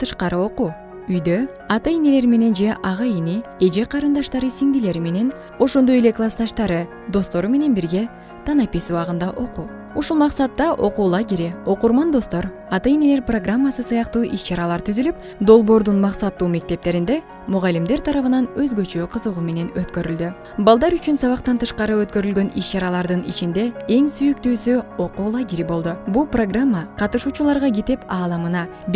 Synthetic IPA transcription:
t̪ʰɯʃqɑɾɯo̞qu | yjd̪ø | ɑt̪ɯjine̞le̞ɾme̞ne̞nd͡ʒe̞ʔɑʁɑinie̞d͡ʒe̞qʰɑɾɯnd̪ɑʃt̪ɑɾɯsiŋd̪ile̞ɾime̞ne̞n | o̞ʃo̞nd̪o̞jeleklˠast̪ɑʃt̪ɑɾɯ | d̪o̞st̪o̞ɾume̞ne̞nbiɾɡe̞ | t̪ʰɑnɑpisuɑʁɯnd̪ɑʔo̞qu | uʃulˠmɑqsɑt̪ːɑʔo̞quːlˠɑd͡ʒeɾeo̞quɾmɑnd̪o̞st̪o̞ɾ | ɑt̪ɯjine̞le̞ɾproɡramːasɯsɯjɑqt̪uːʔiʃt͡ʃɑɾɑlˠɑɾt̪ʰyzylyp̚ | d̪o̞lˠbo̞ːɾd̪unmɑqsɑt̪ːuːme̞k̚t̪e̞p̚t̪e̞ɾind̪e̞ | muʁɑlːimd̪e̞ɾt̪ʰɑɾɑβɯnɑnøzɡø̞t͡ʃøqʰɯzɯʁume̞ne̞nøt̪kø̞ɾyld̪y | bɑlˠd̪ɑɾyt͡ʃynsɑβɑqt̪ɑnt̪ʰɯʃqɑɾɯø̞t̪̚kø̞ɾylɡø̞niʃt͡ʃɑɾɑlˠɑɾd̪ɯnḭt͡ʃind̪e̞e̞ŋsyjyk̚t̪yːsyo̞quːlˠaɡʲeɾibo̞lˠd̪ubulˠpro̞ɡramːaqʰɑt̪ɯʃuːt͡ʃulˠɑɾʁɑɡet̪epɑːlˠɑmɯnɑ | b

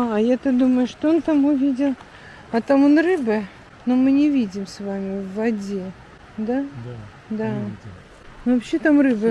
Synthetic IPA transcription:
ɐjat̪ad̪uməjʊʂt̪oont̪amʊvʲidʲɪlˠ | ɐt̪amonrɨbɨ | nomɨnʲɪvʲidʲɪmsvamʲɪvːɐdʲe | d̪a | d̪a | novɐpɕːet̪amrɨbɨ

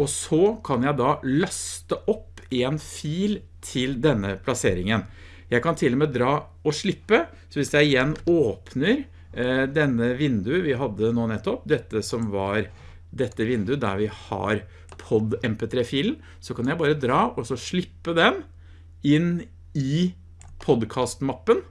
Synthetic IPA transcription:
ɔsɔkʰɑnjæɪd̪ɑlɑst̪əʔɔpːeːnfiːl | t̪ʰɪld̪ɛnːəpʰlɑseːɾɪŋən | jæɪkɑnt̪ʰɪlːɔmeːd̪ɾɑː | ɔʂɭɪpːə | sɔʋɪsjæɪɪjɛnːoːpʰnəɾ | d̪ɛnːəʋɪnd̪ʉʋɪɦɑd̪ːənoːnɛt̪ːɔpd̪ɛt̪ːəsɔmʋɑɾ | d̪ɛt̪ːəʋɪnd̪ʉd̪æ̰ɾʋɪhɑ̰ɾ | pʰɔd̪ɛmpet̪ʰɾeːfiːln̩ | sɔkʰɑnjæɪbɑːɾəd̪ɾɑːʔɔsɔʂɭɪpːəd̪ɛm | ɪn | ɪ | pʰɔd̪kʰɑːst̪mɑpːən

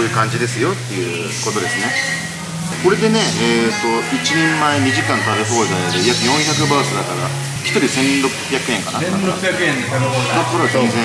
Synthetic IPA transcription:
oːjɯ̟ːkãɲ̟d͡ʑid̪e̞sɨjo̞t̪ːe̞ɯ̟̰ | ko̞t̪o̞d̪e̞sɨne̞ | ko̞ɾe̞d̪e̞ne̞eːt̪ːo̞it͡ɕinẽ̞mːaeɲ̟iʑikãnt̪aɾɯ̟ɸoːzanod̪ejakɯ̟nõ̞ɰ̃çʲakɯ̟baːsɨd̪at̪ːaɡa̰ | çʲi̥t̪o̞ɾʲisẽ̞nɾo̞pçjakɯ̟ẽ̞ŋkanaaakẽ | d̪akoɾezẽnzẽ

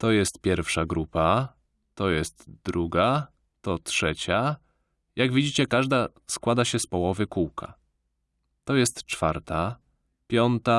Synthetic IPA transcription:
t̪ɔjɛst̪̚pʲjɛɾfʂaɡɾupa | t̪ɔjɛst̪d̪ɾuɡa | t̪ɔtʂɛt͡ɕa | jaɡvʲid͡ʑit͡ɕɛkaʐd̪a | skwad̪aɕɛspɔwɔvɘkuwkʰa̰ | t̪ɔjɛst̪t͡ʂfa̰ɾt̪a | pʲjɔnt̪a

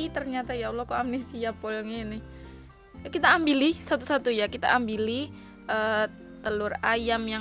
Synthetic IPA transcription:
it̪ərɲat̪ajaulɔkoamnesiapolŋenɪh | akit̪aːmbilisat̪usat̪ujakit̪a̰ʔambili | ʔə | t̪əlʊrajamjaŋ

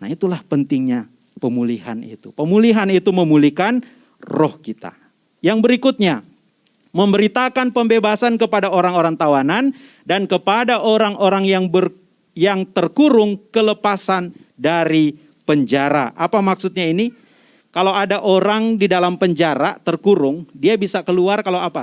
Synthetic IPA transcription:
nait̪ulahpənt̪ɪŋɲa | pəmuliha̰nḭt̪upəmuliɦanit̪uməmulikan | rɔhkit̪a̰ | jaŋbəɾikut̪̚ɲa | məmbəɾit̪akanpəmbebasankəpadaoɾaŋoɾaŋt̪awanan | dankəpadaʔoɾaŋoɾaŋjaŋbər | jaŋt̪ərkuɾʊŋkələpasan | daɾi | pəɲd͡ʒaɾa̰ʔapamaksut̪̚ɲaini | kalawadaʔoɾaŋdidalampəɲd͡ʒaɾat̪ərkuɾʊŋdiabisakəluarkalawapa

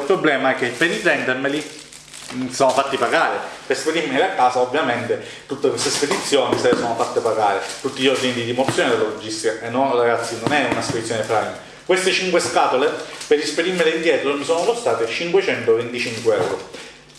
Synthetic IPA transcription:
ilpɾoblɛːmaɛkːepeɾit̪ɛnd̪ermeli | misoːnofat̪ːipaɡaːɾepeɾsped̪iɾmeleakːaːsaovːjament̪e | t̪ut̪ːekwest̪esped̪it̪sːjoːnisesoːnofat̪ːepaɡaːɾet̪ut̪ːiʎːɔrd̪inid̪id̪imot̪sːjoːned̪elːolod͡ʒːist̪ikaenːoraɡat̪sːinonɛunasped̪it̪sːjonefɾajne | kwest̪et͡ʃiŋkweskaːt̪olepeɾisped̪irmeleind̪jɛːt̪ɾomisoːnokost̪aːt̪et͡ʃiŋkwet͡ʃɛnt̪ovent̪it͡ʃiŋkweɛ̰wɾo

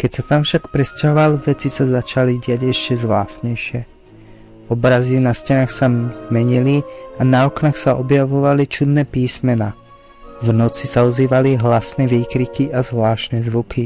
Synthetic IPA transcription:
kɛcsat̪amfʃakpɾɛscaɦɔʋalʋɛt͡sisazat͡ʃaliɟɪaɟɛʃcɛzʋlaːsɲɛjʃɪɛ | ɔbɾazinascɛnaːxsazmɛɲilianaɔknaxsaɔbjaʋɔʋalit͡ʃud̪nɛːpiːsmɛnaː | vnɔt͡sisaɔziːʋaliɦlasnɛʋiːkɾikiʔazʋlaːʃnɛːzʋukʰi

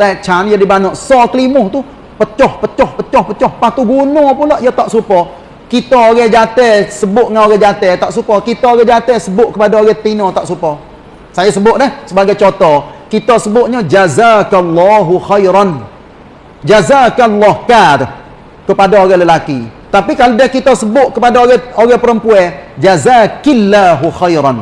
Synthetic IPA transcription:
t̪aʔt͡ʃanjadibanɔʔsɔkəlimʊht̪u | pət͡ʃɔhpət͡ʃɔhpət͡ʃɔhpət͡ʃɔhpat̪uɡunɔpulaʔjɔt̪aʔsupɔ | kit̪ɔoɣɛd͡ʒat̪ɛsəbʊʔŋaoɣɛd͡ʒat̪ɛt̪aʔsupɔkit̪ɔoɣɛd͡ʒat̪ɛsəbʊʔkəpadaoɣɛt̪inɔt̪aʔsupɔ | sajasəbʊʔ̪̚dɛhsəbaɡajt͡ʃot̪ɔkit̪osəbʊʔ̚ɲɔd͡ʒazakalːɑːɦuxajɾɑn | d͡ʒazakalːɔhkat̪ʊ | kəpadaoɣɛləlakit̪apikalodɛkit̪ɔsəbʊʔkəpadaoɣɛoɣɛpəɾəmpuɛd͡ʒazakalːaɦuxajɾan

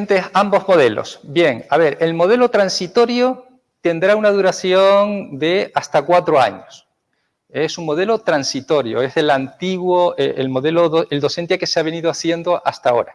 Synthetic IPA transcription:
nt̪esambo̞zmo̞ðe̞lo̰sbje̞ŋaβe̞ɾe̞lmo̞ð̞e̞lot̪ɾansit̪o̞ɾjo | t̪e̞nd̪ɾaunað̞uɾaθjo̞ŋd̪e̞ast̪akwat̪ɾoa̰ɲos | esuŋmo̞ð̞e̞lo̞t̪ɾansit̪o̞ɾjo̰eselant̪iɣwoeelmo̞ðe̞loðoeld̪o̞se̞nt̪jake̞seaβe̞nið̞oaθje̞nd̪oʔast̪ao̞̰ɾa

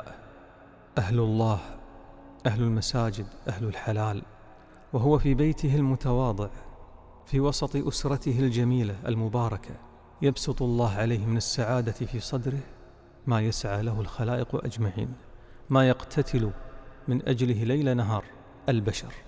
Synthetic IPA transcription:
ʔ | ʔahlʊlˤːɑːh | ʔahlalmasaːd͡ʒɪd̪ʔahlʊlħalaːl | waɦʊwafibejt̪ʰɪhɪlmʊt̪awɑːd̪ˤɨʕ | fiwɑsˤɑt̪ˤʔʊsɾˤɑt̪ɪhɪld͡ʒamiːlaʔa̰lmʊbɑːɾˤɑkʰa | jɑbsɨt̪ˤʊlˤːɑːɦʕalejhmɪnɪsːaʕaːd̪afiːsˤɑd̪ɾɪh | maːjasʕaːlaɦʊlxalaːʔɪqʔa̰d͡ʒmaʕḭːnmajɑqt̪ʰat̪ʰɪlumɪnʔad͡ʒlɪɦlajlanaɦɑːɾˤ | ʔalbaʃɑɾˤ

